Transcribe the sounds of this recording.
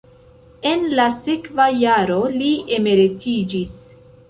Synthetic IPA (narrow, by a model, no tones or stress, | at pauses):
e̞nlasekvajaɾo̞lie̞me̞ɾitid͡ʒis